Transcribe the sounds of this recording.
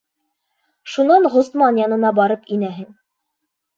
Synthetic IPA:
ʃunɑnʁŏst̪mɑnjɑnɤ̆nɑbɒɾɤpinæɦɘŋ

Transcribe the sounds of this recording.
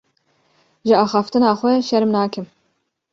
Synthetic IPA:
ʒɨɑːxɑːft̪ɨnɑːxʷɛʃɛɾmnɑːkɨm

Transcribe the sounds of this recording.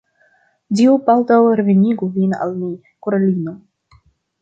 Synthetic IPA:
diupalt̪awɾeveniɡuvina̰lmi | koɾalino

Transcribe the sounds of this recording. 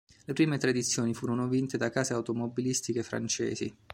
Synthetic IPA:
lepɾiːmet̪ɾad̪it̪sːjoːnifuːɾonovint̪ed̪akaːzeawt̪omobilist̪ikefɾa̰nt͡ʃɛ̰ːzḭ

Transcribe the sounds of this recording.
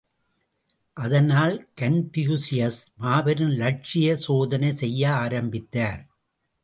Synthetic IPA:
ʔɐðɐnaːlkɐnpɪjuːsɪjɐsmaːʋɐɾɯnlɐʈ̚t͡ʃɪjɐsoːðɐnɐɪsɛjːɐaːɾɐmbɪt̪ːaːɾ

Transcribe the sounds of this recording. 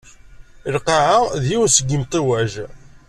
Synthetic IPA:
əlqɑʕaðjiwnsəɡːəmt̪ˤiwæʒ

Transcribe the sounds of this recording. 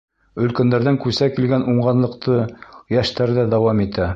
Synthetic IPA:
ɵ̆lkænd̪æɾðæŋkʉsækilɡænʔuɴɢɑnlˠɤ̆qt̪ʰɤjæʃt̪æɾðæd̪ɑwɑmit̪æ

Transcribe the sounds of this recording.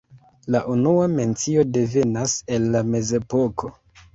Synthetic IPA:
laʔunuame̞nt͡sio̞de̞ve̞nase̞nːame̞ze̞po̞kʰo̞

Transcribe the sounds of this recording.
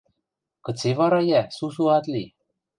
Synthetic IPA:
kɤ̆t͡seβɑɾɑjæsus̬uɑt̪li

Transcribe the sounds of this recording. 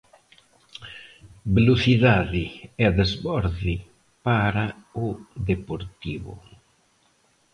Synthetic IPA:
beloθiðaðɪɛðezβɔɾði | paɾaʊðepoɾt̪iβʊ̰

